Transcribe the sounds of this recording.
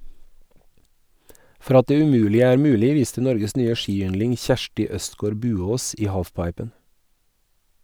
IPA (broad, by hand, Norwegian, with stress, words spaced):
ˈfɔɾ ˈɑt ˈdeː ʉˈmʉːlɪə ˈæːɾ ˈmʉːlɪ ˈʋiːstə ˈnɔɾɡəs ˈnyːə ˈʃiːˌʏnlɪŋ ˈçæʃʈɪ ˈœstˌɡoːɾ ˈbʉːˌoːs ˈiː ˈhɑːfˌpɑɪpən